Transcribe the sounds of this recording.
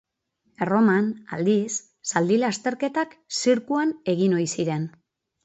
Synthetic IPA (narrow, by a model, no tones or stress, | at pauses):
ero̞mana̰ld̪isː | ald̪ilast̪e̞ɾke̞t̪aksiɾkuane̞ɣ̞ino̞jsiɾe̞n